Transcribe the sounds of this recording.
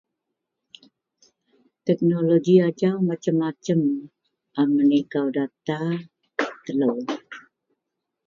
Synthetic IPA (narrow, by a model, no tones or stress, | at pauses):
t̪ɛk̚noloɡiad͡ʒawmat͡ʃəmːat͡ʃəm | ʔamənikawdat̪a | t̪ələw